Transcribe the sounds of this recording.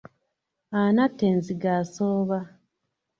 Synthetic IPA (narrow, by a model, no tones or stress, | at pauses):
anatːenziɡaːsoːβa